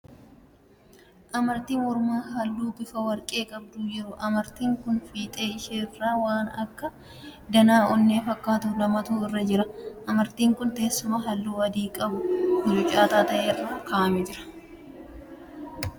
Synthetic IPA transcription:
ʔɐmɐɾt̪iːmɔɾʊmaːɦɐlːuːbɪfɐwɐɾkʼe̞ːkʼɐbd̪ʊjɛɾʊʔɐmɐɾt̪iːŋkʊnfiːt̪ʼeːɪʃeːrːaːwaːnɐ̰kːɐ | d̪ɐnaːʔɔnːe̞ːfɐkːaːt̪ʊlɐmɐt̪uːɪrːɐd͡ʒɪɾɐʔɐmɐɾt̪iːŋkʊnt̪eːsːʊmɐɦɐlːuːɐd̪iːkʼɐbʊhʊd͡ʒʊt͡ʃʼːaːt̪aːt̪ɐʔeːrɐkaːʔɐmɛd͡ʒɪɾɐ̥

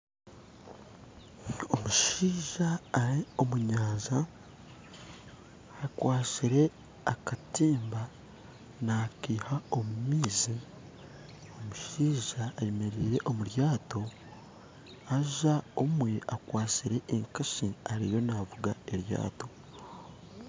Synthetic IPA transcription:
o̞muʃiːʒaːɾio̞muɲaːza | kwaːsiɾe̞ | akatiːmba | nakiːhao̞mumiːzi | o̞muʃiːʒaːjemeɾiːɾe̞ʔo̞muɾjaːto̞ | aʒaomwe̞ʔakwaːsiɾe̞ʔːŋkaʃiaɾḭjo̞navuɡaeɾja̰ːto̞

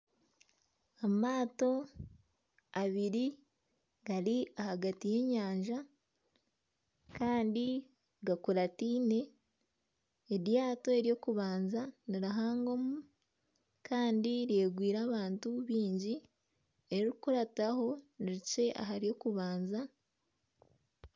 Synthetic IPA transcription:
amaːto̞ | aβiɾi | ɡaɾiahaɡatije̞ɲaːɲʒa | kaːndi | ɡakuɾatiːne̞ | edjaːto̞e̞ɾijo̞kuβaːnzaniɾaɦaːŋɡo̞mu | kʰaːndiɾe̞ːɡwiːɾaːβaːntuβiːɲɟi | eɾikuɾataho̞niɾice̞ʔa̰ɦaɾijo̞kuβaːnza

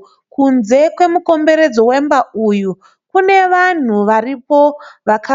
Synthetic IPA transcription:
kunze̞kwe̞muko̞mbe̞ɾe̞d͡zo̞wembauju | kune̞ʋan̤uʋaripoʋaka

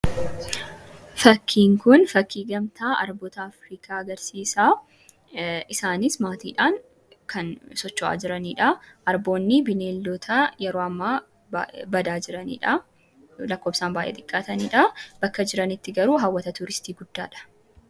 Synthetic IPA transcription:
fɐkʰːiːŋkʊnfɐkːiːɡɐmt̪aːʔɐɾbɔːt̪ɐːfɾiːkaːɐɡɐɾsiːsaː | ʔɪsaːnɪsmaːt̪ḭːᶑaːŋ | kʰɐnsɔt͡ʃːɔʔa̰ːd͡ʒɪɾɐniːᶑɐʔɐɾbo̞ːnːɪbɪneːlːɔt̪ʰɐjɛɾoːɐmːaː | bbɐd̪aːd͡ʒɪɾɐnḭːᶑɐ | lɐkːoːbsaːnbaːjʔḛːt̪ʼɪkʼːaːt̪ɐniːᶑɐb̥ɐkːɐd͡ʒɪɾɐnɪt̪ːɪɡɐɾuːɦɐwːɐt̪ɐt̪ʊɾɪst̪iːɡʊd̪̥ːa̰ːᶑɐ̥

